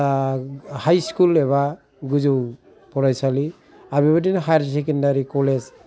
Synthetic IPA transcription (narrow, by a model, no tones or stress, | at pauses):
hajskuleβa | ɡud͡ʒuw | pʰɔɾajsali | abibadinaɦajaɾsekendaɾikɔled͡ʒ